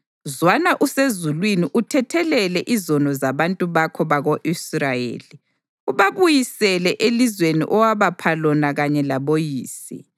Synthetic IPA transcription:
zwanaʔusezulwiniʔutʰɛtʰɛlɛlɛʔizɔnɔzaβantʼuβakʰɔβaɣoʔisrajḛːli | uβaβujisɛlɛʔelizwenḭʔɔwaβapʰalɔnaɣaɲɛlaβojiːsḭ

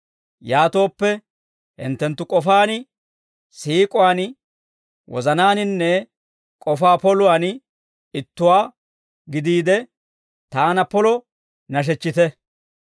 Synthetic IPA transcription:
jaːt̪o̞ːpːɛ | hɪ̰nt̪ːɛnt̪ːʊkʼɔfaːn | siːkʼʊwaːn | wɔ̰zɐnaːnɪnːɛ | kʼɔfaːpɔlʊwaːn | ɪt̪ːʊwaː | ɡɪd̪iːd̪ɛ | t̪aːnɐpɔlɔ | nɐʃ̬ɛt͡ʃːɪt̪ɛ

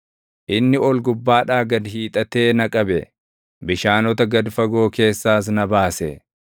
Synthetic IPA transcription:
ʔɪnːɪɔlɡʊbːaːᶑaːɡɐd̪ɦiːt̪ʼɐt̪e̞ːnɐkʼɐbɛ | bɪʃaːnɔt̪ɐɡɐd̪fɐɡo̞ːke̞ːsːaːs̬nɐbaːsɛ̰

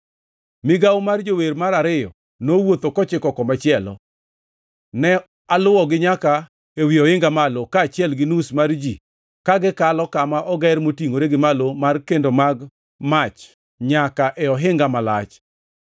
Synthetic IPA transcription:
mɪɡawmard͡ʒoweɾmaɾaɾɪjɔ̰ | nowot̪okɔt͡ʃɪkɔkɔmat͡ʃjɛlɔ̰ | nɛ | alʊwɔɡɪɲaka | ewiɔɪŋɡamalokaːt͡ʃɪɛlɡɪnusmard͡ʒi | kaɡɪkalɔkamaʔɔɡɛɾmotiŋoɾeɡɪmalomarkendomaɡ | mat͡ʃ | ɲakaʔɛɔɦɪŋɡamala̰t͡ʃ

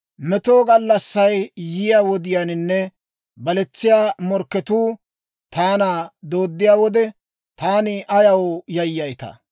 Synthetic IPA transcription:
mɛt̪oːɡɐlːɐsːɐjjɪjaːwɔd̪ɪjaːnɪnːɛ | bɐlɛt͡sːɪjaːmɔɾkːɛt̪uː | t̪aːnaːd̪o̞ːd̪ːɪjaːwɔd̪ɛ | t̪aːnɪʔɐjɐwjɐjːɐjt̪ɐ̰

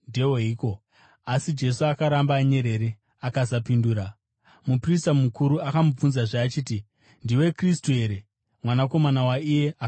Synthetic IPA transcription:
deoɦiko̞ | asid͡ʒe̞suakaɾambaːɲe̞ɾe̞ɾe | akasapinduːɾa | mupris̬tamukuɾuakamub͡vunzaʐaːt͡ʃiːti | ndiwe̞kristue̞ɾe̞ | mwanako̞manawaije̞a

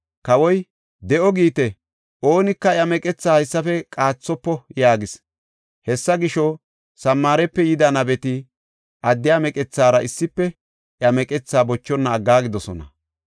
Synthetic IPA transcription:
kɐwɔj | d̪ɛʔɔɡiːt̪ɛ | ʔo̞ːnɪkːɐjɐmɛkʼɛt͡sːaːhɐjsːɐfɛkʼaːt͡sːɔpːɔjaːɡɪs | hɛsːɐɡɪʃɔ | sɐmːaːɾɛpːɛjɪd̪ɐnɐbɛt̪ɪ | ʔɐd̪ːɪjaːmɛkʼɛt͡sːaːɾɐʔɪsːɪpːɛ | ʔjɐmɛkʼɛt͡sːaːbɔt͡ʃːɔnːɐːɡːaːɡɪd̪ɔsɔnɐ̰

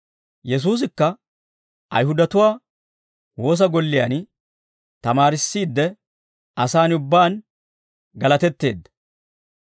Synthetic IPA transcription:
jɛs̬uːs̬ɪkːɐ | ʔɐ̰jɦʊd̪ɐt̪ʊwaː | wo̞ːs̬ɐɡɔlːɪjɐ̰n | t̪ɐmaːɾɪsːiːd̪ːɛ | ɐsaːnʊbːaːn | ɡɐlɐt̪ɛt̪ːe̞̰ːd̪ːɐ̥

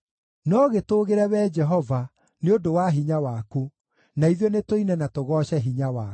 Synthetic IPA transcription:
nɔɣetoːɣeɾɛβɛd͡ʒɛɦɔva | neodowaɦiɲawaku | naiðɔnetoinɛnatoɣɔɕɛɦiɲawa

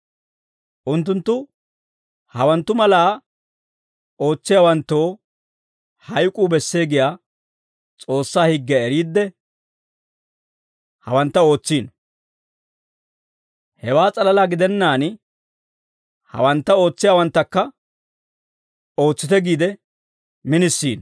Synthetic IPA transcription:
ʔʊnt̪̬ːʊnt̪ːʊ | hɐwɐnt̪ːʊmɐlaː | o̞ːt͡sːɪjaːwɐnt̪ːo̞ː | hɐjkʼuːbɛsːe̞ːɡɪjaː | t͡sʼo̞ːsːaːhɪɡːɛɛɾiːd̪ːɛ | hɐ̰wɐnt̪ːɐo̞ːt͡sːiːn | hɛwaːt͡sʼɐlɐlaːɡɪd̪ɛnːaːn | hɐ̰wɐnt̪ːɐo̞ːt͡sːɪjaːwɐnt̪ːɐkːɐ | o̞ːt͡sːɪt̪ɛɡiːd̪ɛ | mɪnɪsːiːn

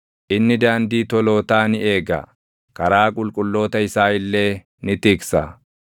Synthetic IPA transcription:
ʔɪnːɪd̪aːnd̪iːt̪ɔlo̞ːt̪aːnɪe̞ːɡa̰ | kɐɾaːkʼʊlkʼʊlːo̞ːt̪ɐhɪsaːjɪlːe̞ː | nɪt̪ɪːksa̰ː

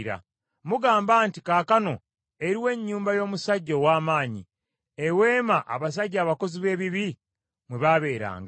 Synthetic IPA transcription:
ɾa̰ | muɡaːmbaːntikaːkano̞ | e̞ɾiwe̞ɲːuːmbajo̞ːmusaɟːowaːmaːɲḭ | ewe̞ːmaʔa̰βas̬aɟːaːβako̞ziβe̞ːβiβi | mweβaβe̞ːɾa̰ːŋɡa

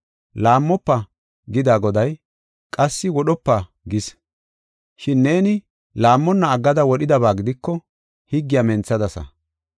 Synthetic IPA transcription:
laːmːɔpːɐ | ɡɪd̪aːɡɔd̪ɐj | kʼɐsːɪwɔɗɔpːa | ɡɪs | ʃɪnːe̞ːnɪ | laːmːɔnːɐːɡːɐd̪ɐwɔɗɪd̪ɐβaːɡɪd̪ɪkːɔ | hɪɡːɪjamɛnt͡sːɐd̪ɐsɐ̰

